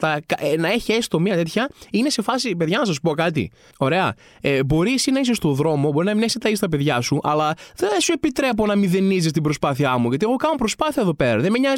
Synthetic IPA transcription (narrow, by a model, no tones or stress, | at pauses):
tɐkɐʔenɐe̞çiest̪o̞miɐt̪e̞t̪çɐine̞se̞fɐsipe̞ðʝɐnɐs̬ɐs̬u̥po̞kɐt̪ḭ | o̞ɾe̞ɐ̰ | ebo̞ɾisinɐisest̪oðɾo̞mo̞bo̞ɾinɐmineçst̪ɐist̪ɐpe̞ðʝɐsuʔɐ̰lɐðesue̞pit̪ɾe̞po̞nɐmiðe̞nizis̬t̪ibɾo̞spɐθiɐmuʝɐt̪ieɣo̞kɐno̞pɾo̞spɐθiɐeðo̞pe̞ɾɐ̰ðemeɲɐ